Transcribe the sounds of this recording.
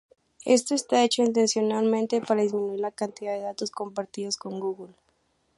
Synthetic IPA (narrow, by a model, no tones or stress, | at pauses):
e̞̰st̪o̞est̪ae̞t͡ʃo̞int̪̬e̞nsjo̞nalmẽnt̪e̞paɾaðizmĩnuiɾlakant̪iðaðe̞ðat̪o̞sko̞mpaɾt̪iðo̞sko̞ŋɡuɣul